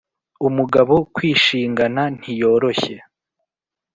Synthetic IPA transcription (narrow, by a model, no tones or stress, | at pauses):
umuɡaβo̞kwiːʃiːŋɡanan̥hijo̞ːɾo̞çe̞